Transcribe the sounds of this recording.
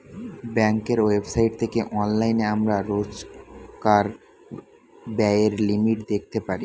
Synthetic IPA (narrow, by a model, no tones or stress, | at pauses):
bɛŋkeɾwebsajʈ̚t̪ʰekeʔɔnlajneamɾaɾod͡ʑkaɾ | bɛeɾlimiʈd̪ek̚ʰt̪epaɾi